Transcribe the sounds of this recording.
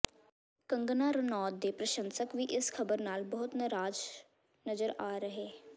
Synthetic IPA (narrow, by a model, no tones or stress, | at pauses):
kəŋɡnaːɾənɔːd̪̚d̪eːpɾəʃənsəkʋiːʔɪskʰəbəɾnaːlbəɦʊt̪nəɾaːd͡ʒ | nəzəɾaːɾəɦeː